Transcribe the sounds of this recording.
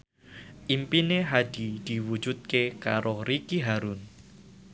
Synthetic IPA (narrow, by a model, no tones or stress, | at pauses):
ʔimpineɦad̪̥id̪̥i̤wu̥d͡ʒut̪̚kekaɾʔoɾikiɦaɾʊn